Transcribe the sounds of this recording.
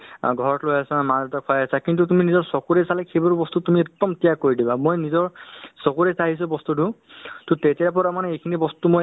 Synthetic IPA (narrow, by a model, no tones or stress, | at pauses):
ɡʱɔɹɔtlojasamaɔtɔkʰɔjasakint̬ut̬uminizɔɹsɔkuɹesalɛkʰebɔɹubɔstutumiektːɔmtijakoɹidibamojnizɔɹsɔkuɹesaɦis̬ɔbɔstudũtutetijapɔɹamanɛejkʰinibɔstumo